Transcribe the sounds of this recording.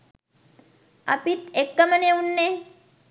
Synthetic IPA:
ɐ̰pit̪ekːəməneunːe

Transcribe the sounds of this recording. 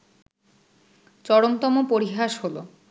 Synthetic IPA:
t͡ɕɔɽomt̪ɔmopoɾiɦaʃɦolo̰

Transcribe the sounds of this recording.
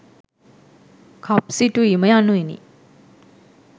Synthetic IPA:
kʰap̚situiməjanuinḭ

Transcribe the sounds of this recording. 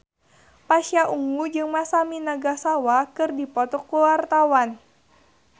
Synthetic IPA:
paʃiaʔuŋɡud͡ʒɨŋmasaminaɡasawakɨrdipɔt̪ɔkuwart̪awan

